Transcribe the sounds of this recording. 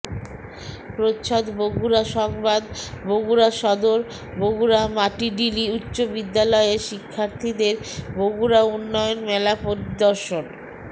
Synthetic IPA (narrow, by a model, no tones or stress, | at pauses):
pɾotɕʰɔd̪boɡuɾaʃɔŋbad̪boɡuɾaʃɔd̪oɾ | boɡuɾamaʈiɖiliutːɕobid̪ːalɔeɾʃikʰːaɾt̪ʰid̪eɾboɡuɾaunːɔjonmɛlapoɾid̪ɔɾʃon